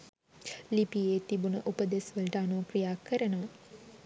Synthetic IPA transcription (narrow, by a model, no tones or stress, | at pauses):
lipijeːt̪ibunəʔupəd̪esʋəlʈəanoːkrijaːkːəɾənəʋə